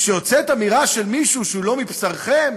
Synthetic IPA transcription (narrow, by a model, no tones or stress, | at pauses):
ʃejot͡set̪amiʁaʃe̞lmiʃuʃeulo̞mipsaʁχem